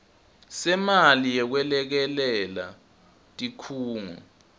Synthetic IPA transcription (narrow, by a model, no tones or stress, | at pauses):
sɛmalijɛk̬wɛlɛk̬ɛlɛla̰ | tʼikʰuːŋṵ